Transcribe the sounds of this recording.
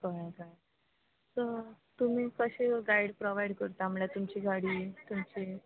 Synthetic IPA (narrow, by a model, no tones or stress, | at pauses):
kəɾakaj | sə | t̪um̤iːkəɕeɡaiɽpɾɔʋaiɖkəɾt̪am̤əɭjat̪umt͡ɕiːɡaɽiːt̪umt͡ɕi